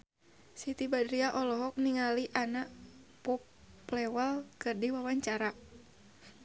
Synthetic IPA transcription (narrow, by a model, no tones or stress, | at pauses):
sit̪ibadɾiaʔɔlɔɦɔk̚niŋaliʔanaʔpɔp | lɛwalkɨrdiwawaɲt͡ʃaɾa